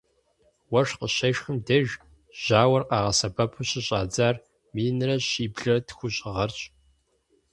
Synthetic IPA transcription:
wɐʂqəɕɐʃxɨmdɐʒ | ʑ̥aːwɐrqɑːʁɐsɐbɐpʰuɕɪɕʼaːd͡zaːr | miːnrɐɕiːbɮɐtxʷʊɕʼɪʁɐrt͡ʃʼ

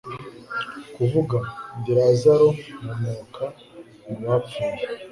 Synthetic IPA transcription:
kuvuɡabiɾazaɾomumukʰa | uwap͡fuːje

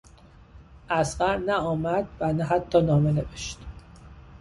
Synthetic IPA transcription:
ʔæsɢæɾnæɒːmæd̪vænæɦæt̪ʰːɒːnɒːmeneveʃt̪

